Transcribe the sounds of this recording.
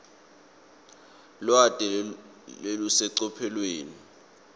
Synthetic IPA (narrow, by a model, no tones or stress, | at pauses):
lwatʼɛ | elusɛǀɔpʰɛlweːni